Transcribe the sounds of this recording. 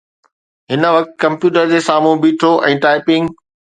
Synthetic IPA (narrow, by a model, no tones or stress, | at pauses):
ɦɪnə̆ʋɐk̚t̪̆kɐ̃mpjuːʈəɾd͡ʑeːsaːm̤ũbiːʈʰoʔɛ̃ːʈaːɪpɪ̃ŋɡ